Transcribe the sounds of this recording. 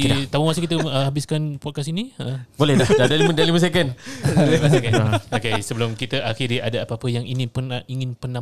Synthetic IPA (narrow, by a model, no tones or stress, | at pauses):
t̪amumas̬ukit̪̬əəhabɪskanpɔt̚kasiniəbolɛhdadadaliməndaliməs̬ekandliməsekaokesəbəlʊmkit̪əʔaxiɾiadaapəapəjaŋiŋɪ̃pənaiŋɪnpənã